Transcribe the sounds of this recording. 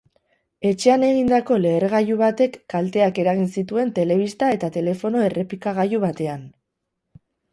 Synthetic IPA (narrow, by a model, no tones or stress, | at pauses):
e̞t͡ʃe̞ane̞ɣind̪ako̞le̞ːɾɣajuβ̞at̪e̞kːalt̪e̞ake̞ɾaɣ̞insit̪ue̞nt̪e̞le̞β̞ist̪ae̞t̪at̪e̞le̞fo̞no̞e̞re̞pikaɣ̞ajuβat̪e̞an